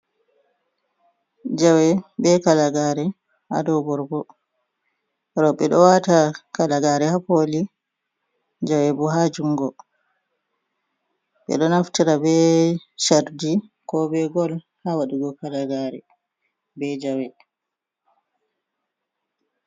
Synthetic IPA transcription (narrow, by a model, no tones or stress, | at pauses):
d͡ʒawɛbɛkalaɡaːɾɛ | ha̰dɔbɔɾbɔ | ɾɔɓɛɗɔwatakalaɡaɾɛhapoli | d͡ʒawɛbɔɦad͡ʒuŋɡɔ | ɓɛ̰ɗɔnaftiɾabɛʃaɾdi | kɔbɛɡɔl | hawaɗiɡɔkalaɡaːɾɛ̰ | bɛd͡ʒawɛ